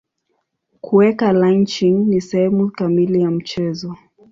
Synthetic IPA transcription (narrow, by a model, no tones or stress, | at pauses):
kʰuɛkalant͡ʃiŋnisɛhɛmukamilijam̩t͡ʃɛzɔ